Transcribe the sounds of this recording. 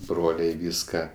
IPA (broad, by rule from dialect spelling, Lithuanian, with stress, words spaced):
ˈbroːlʲɛɪ ˈʋʲiːskɐ